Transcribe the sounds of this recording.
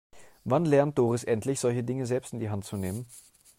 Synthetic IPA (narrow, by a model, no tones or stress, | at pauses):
vanlɛɐnt̚d̥oːʁɪsʔɛntlɪçz̥ɔlçədɪŋəzɛlpstɪndiːɦantt͡suneːmən